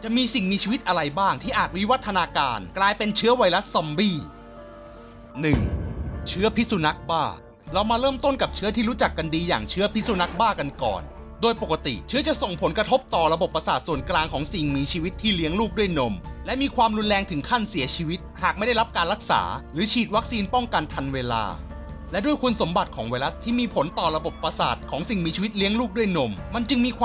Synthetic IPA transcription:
t͡ɕa˨˩ʔmiː˧si˨˩ŋmiː˧t͡ɕʰiː˧wi˦˥t̪̚ʔa˧ɾa˧jbaː˥˩ŋt̪ʰiː˥˩ʔaː˨˩t̪̚wi˦˥wa˦˥t̪ʰːa˧naː˧kaː˧nklaː˧jpe˧nt͡ɕʰɯ˦˥ɐwa˧jla˦˥sa˧mbiː˥˩ | nɯ˨˩ŋt͡ɕʰɯ˦˥ɐpʰi˦˥su˧na˦˥k̚baː˥˩ | ɾa˧wmaː˧ɾɤː˥˩mt̪o˥˩nka˨˩p̚t͡ɕʰɯ˦˥ɐt̪ʰiː˥˩ɾuː˦˥t͡ɕa˨˩kːa˧ndiː˧ja̰ː˨˩ŋt͡ɕʰɯ˦˥ɐpʰi˦˥su˧na˦˥k̚baː˥˩ka˧nkɔ̰ː˨˩n | doː˧jpo˨˩kːa˧t̪ḭ˨˩t͡ɕʰɯ˦˥ɐt͡ɕa˨˩so˨˩ŋpʰo˩˦nkɾa˧t̪ʰo˦˥p̚t̪ɔː˨˩ɾa˧bo˨˩pːɾa˧saː˨˩t̪̚su˨˩ənklaː˧ŋkʰɔː˩˦ŋsi˨˩ŋmiː˧t͡ɕʰiː˧wi˦˥t̪ʰːiː˥˩li˦˥əŋluː˥˩k̚du˥˩əjno˧mlɛ˦˥miː˧kʰwaː˧mɾu˧nlɛː˧ŋt̪ʰɯ˨˩˦ŋkʰa˥˩nsi˩˦ɐt͡ɕʰiː˧wi˦˥t̪̚haː˨˩k̚ma˥˩jda˥˩jɾa˦˥p̚kaː˧nɾa˦˥k̚sa̰ː˩˦ɾɯː˩˦t͡ɕʰiː˨˩t̪̚wa˦˥k̚siː˧npɔ˥˩ŋka˧nt̪ʰa˧nweː˧la̰ː˧ | lɛ˦˥du˥˩əjkʰu˧nso˩˦mba˨˩t̪̚kʰɔː˩˦ŋwa˧jla˦˥st̪ʰːiː˥˩miː˧pʰo˩˦nt̪ɔː˨˩ɾa˧bo˨˩pːa˧saː˨˩t̪̚kʰɔː˩˦ŋsi˨˩ŋmiː˧t͡ɕʰiː˧˦i˦˥t̪̚li˦˥əŋluː˥˩k̚du˥˩əjno˧mma˧nt͡ɕɯ˧ŋmiː˧kʰː

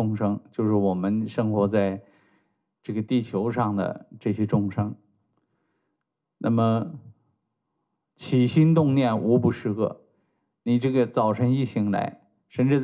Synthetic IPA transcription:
ʊ˥˧ŋʂɤ˥ŋt͡ɕjo˥˧ʊʂɻ̩˥˩wɔ˨˩mə˦nʂɤ˥ŋxwɔ˧˥t͡sa˥˧ɪ | ʈ͡ʂɤ˥˩ɡə˩t̪i˥˩t͡ɕʰjo˧˥ʊʂɑ˥˩ŋd̪ə̰˩ʈ͡ʂɤ˥˩ɕjɛ˥ʈ͡ʂʊ˥˩ŋʂɤ˥ŋ | nʔa̰˥˩mə˩ | t͡ɕʰi˨˩ɕi˥nt̪ʊ˥˧ŋnjɛ˥˩nʔu˧˥pu˧˥˩ʂɻ̩˥˧kɤ̰˥˩ | ni˨˩ʈ͡ʂɤ˥˩ɡə˩t͡sɑ˥˩ʊʈ͡ʂʰə˧˥ŋi˥˩ɕi˧˥ŋla̰˧˥ɪ | ʂə˥˧nʈ͡ʂɻ̩˥˧t͡s

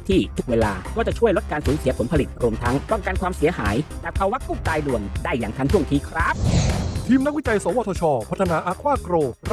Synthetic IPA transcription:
t̪ʰiː˥˩t̪ʰu˦˥k̚weː˧la̰ː˧kɔː˥˩t͡ɕa˨˩t͡ɕʰu˥˩əjlo˦˥t̪̚kaː˧nsuː˩˦nsi˨˦pʰo˩˦npʰa˧li˨˩t̪̚ɾu˧əmt̪ʰa˦˥ŋɾɔː˥˩ŋkaː˧nkʰwaː˧msi˨˩˦ɐɦa̰ː˩˦jlɛ˨˩pʰa˧wa˦˥kuː˥˩t̪aː˧jnu˨˩əŋdaː˥˩jːaː˨˩ŋt̪ʰa˧˥t͡ɕʰu˥˩əŋt̪ʰiː˧˥˩kʰɾa˦˥p̚t̪ʰiː˧mna˦˥k̚wi˦˥t͡ɕa˧jsɔː˨˦wʔɔː˧t̪ʰɔː˧t͡ɕʰɔː˧pʰa˦˥t̪̚ʰːnaː˧˥ʔa˦˥kʰwaː˥˩kɾoː˧

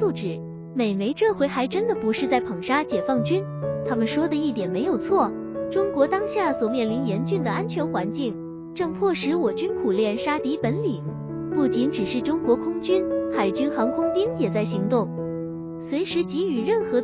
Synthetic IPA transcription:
u˥˩ʈ͡ʂɻ̩˨˩˦ | me˨˩ɪme˧˥ɪʈ͡ʂɤ˥˧xwe˧˥ɪxa˧˥ɪʈ͡ʂə˥nd̪ə˨pu˧˥ʂɻ̩˥˧t͡sa˥˩ɪpʰɤ˨˩ŋʂa˥t͡ɕjɛ˨˩fɑ˥˩ŋt͡ɕy˥n | t̪ʰa˥mə˨nʂwɔ˥d̪ə˨i˥˩t̪jɛ˨˩nme˧˥ɪjo˨˩ʊt͡sʰwɔ˥˩ | ʈ͡ʂʊ˥ŋkwɔ˧˥t̪ɑ˥ŋɕja˥˩swɔ˨˩mjɛ˥˩nli˧˥njɛ˧˥nt͡ɕy˥˩nd̪ə˩a˥nt͡ɕʰɥɛ˧˥nxwa˧˥nt͡ɕi˥˩ŋ | ʈ͡ʂɤ˥˧ŋpʰwɔ˥˩ʂɻ̩˧˥wɔ˨˩t͡ɕy˥nkʰu˨˩ljɛ˥˩nʂa˥t̪i˧˥pə˧˥nli˨˩˦ | pu˥˩t͡ɕi˧˥nʈ͡ʂɻ̩˨˩ʂɻ̩˥˩ʈ͡ʂʊ˥ŋkwɔ˧˥kʰʊ˥ŋt͡ɕy˥nxa˨˩ɪt͡ɕy˥nxɑ˧˥ŋkʰʊ˥ŋpi˥ŋjɛ˨˩t͡sa˥˩ɪɕi˧˥ŋt̪ʊ˥˩ŋ | swe˧˥ɪʂɻ̩˧˥t͡ɕi˧˥y˨˩ɻə˥˩nxɤ˧˥

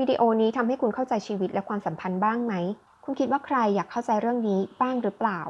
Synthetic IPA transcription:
wiː˧dḭ˧ʔoː˧niː˦˥t̪ʰa˧mɦa˥˩jkʰu˧nkʰa˥˩wt͡ɕa˧jt͡ɕʰiː˧wi˦˥t̪̚lɛ˦˥kʰwaː˧msa˩˦mpʰa˧nbaː˥˩ŋma˦˥j | kʰu˧nkʰi˦˥waː˥˩kʰɾa˧jːaː˨˩kʰːa˥˩wt͡ɕa˧jɾɯ˥˩əŋniː˦˥baː˥˩ŋɾɯ˦˥plaː˨˩w

